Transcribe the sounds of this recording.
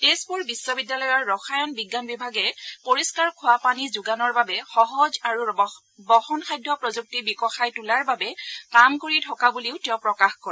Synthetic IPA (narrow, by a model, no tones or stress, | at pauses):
tespuɹbisːɔbidjalɔjɔɹːɔxajɔnbiɡːanbibʱaɡɛpoɹiskaɹkʰʊwapanizuɡanɔɹbabɛxɔɦɔzaɹu | bɔxɔnxajdʱːɔpɹɔzuk̚tibikɔxajtulaɹbabɛkamkoɹitʰɔkabuliʊtɛɔpɹɔkaxkɔɹɛɛ